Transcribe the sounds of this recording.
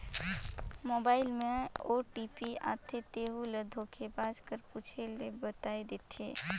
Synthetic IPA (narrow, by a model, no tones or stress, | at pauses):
mobaːɪlmẽoʈipia̰t̪ʰet̪eɦuled̪ʱokʰebaːd͡ʒkəɾpuːt͡ʃʰelebət̪aːed̪et̪ʰḛː